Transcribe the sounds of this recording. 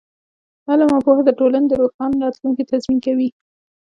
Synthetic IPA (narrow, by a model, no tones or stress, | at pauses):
halamapohad̪əʈolaned̪əɾoxɡɑnɾɑt̪luŋkit̪azminkawi